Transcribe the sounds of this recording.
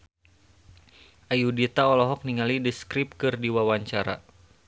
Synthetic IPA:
ʔajudit̪aɔlɔɦɔk̚niŋalidiskɾip̚kɨrdiwawaɲt͡ʃaɾa̰

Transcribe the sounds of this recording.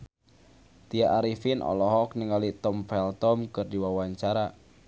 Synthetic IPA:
t̪ijaʔaɾifinʔɔ̰lɔɦɔk̚niŋalit̪ɔmfɛlt̪ɔmkɨrdiwawaɲt͡ʃaɾa

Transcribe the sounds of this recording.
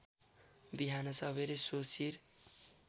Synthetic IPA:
biɦanʌsʌβeɾesosiɾ

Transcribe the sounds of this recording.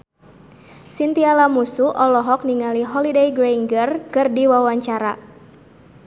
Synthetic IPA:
sint̪ialamusuʔɔlɔɦɔk̚niŋaliɦɔlidejɡɾeiŋɡərkɨrdiwawaɲt͡ʃaɾa

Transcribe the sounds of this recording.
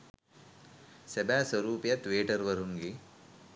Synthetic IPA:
sɐbaːsʋɐɾuːpjɐt̪ʋeːʈɐɾʋɐɾ̤uŋɡi

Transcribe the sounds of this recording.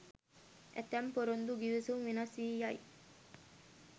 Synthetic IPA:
ʔḛt̪æmpoɾond̪uɡiʋesuŋʋinɐsiːjɐi

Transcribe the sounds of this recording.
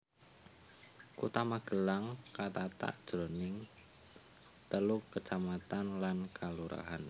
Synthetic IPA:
kut̪amaɡ̥əlaŋkat̪at̪a̰ʔd̥ʒ̥onɪŋ | t̪əlukːət͡ʃamat̪anlankʰaluɾa̰ɦan

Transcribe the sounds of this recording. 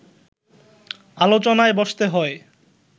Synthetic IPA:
alot͡ɕonaebɔʃt̪eɦɔe

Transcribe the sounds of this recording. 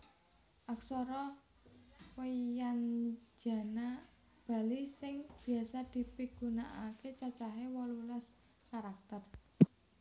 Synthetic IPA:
ʔaksɔɾɔ | wejand͡ʒa̤na | b̥a̤lisɪŋb̥i̤asad̪̥i̤piɡ̥ṳnaʔaket͡ʃat͡ʃaɦewɔlulas | kaɾak̚t̪ər

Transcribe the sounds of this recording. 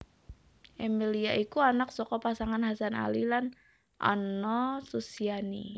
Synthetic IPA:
ʔɛmeliaʔikuanak̚sɔkɔpasaŋanhasana̰lilan | ʔa̰nɔsusianḭ

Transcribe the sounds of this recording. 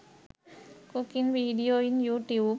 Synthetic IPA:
kukinʋiɖioinjuʈju

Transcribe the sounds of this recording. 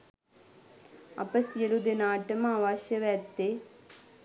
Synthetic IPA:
ɐ̰pɐsjelud̪enaːʈːɐmaʋaːʃjɐʋɛt̪ːe

